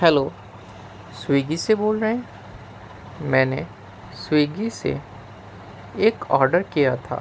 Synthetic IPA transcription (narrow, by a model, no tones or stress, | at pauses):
hɛloː | swiːɡiseboːlɾəɦẽ | mɛ̃ːne | swiːɡisḛ | eːkɔːɾɖəɾkijat̪ʰa̰ː